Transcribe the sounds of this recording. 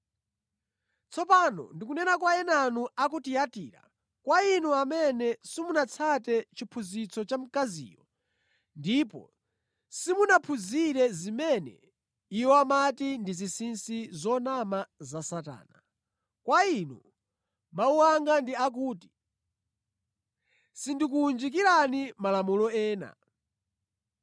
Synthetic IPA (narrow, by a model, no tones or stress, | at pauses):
t͡sʰɔpanɔ̰ndik̬unɛnakwaɛnanuakutijatḭːɾa̰ | kwainuamɛnɛsimunat͡sʰatɛt͡ʃipʰuzit͡sʰɔt͡ʃam̩kazḭːjɔ | ndipɔ̰ | simunapʰuziɾɛzimɛnɛ̰ | ijɔamatindizisinsizɔnamazasata̰ːna | kwainɔ | mauwaŋɡandiak̬uːti̥ | sindik̬uːnd͡ʒik̬iɾanimalamulɔɛːna̰